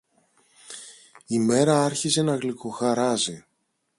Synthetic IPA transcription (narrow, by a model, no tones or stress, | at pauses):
ime̞ɾɐɐɾçize̞nɐɣliko̞xɐɾɐzi